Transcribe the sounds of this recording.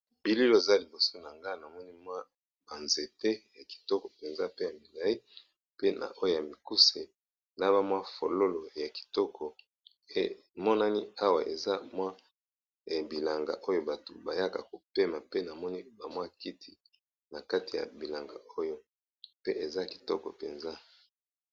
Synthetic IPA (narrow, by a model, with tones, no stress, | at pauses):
b̥i˦li˦lo˦e˨za˦li˨bo˨so˦na˨ŋɡa˦na˨mɔ˦ni˦mwa˦ | ba˨nze˨te˦ja˨ki̥˨tɔ˦kɔ̥˨pe˨nza˦pe˦ja˨mi˨la˨i˦ | pe˦na̰˨ʔo˦jo˦ja˨mi˨ku˦se˨ | la˦βa˦mwa˦fo˨lo˦lo˨ja˨ki̥˨tɔ˦kʰɔ˨ | e˦ | mɔ˦na˦ni˦a˦wa˨ʔe˨za˦mwa˦˨ | bi˨la˨ŋɡa̰˨ʔo˦jo˦ba˨to˨ba˨ja˦ka̰˨ko˨pe˦ma˨pe˦na˨mɔ˦ni˦ba˨mwa˦ki˦tʰi˨ | na˨ka˦ti˨ja̰˨bi˨la˨ŋɡa̰˨o˦jo˦ | pe˦ʔe˨za˦˨ki̥˨tɔ˦kɔ̰˨pe˨nza˦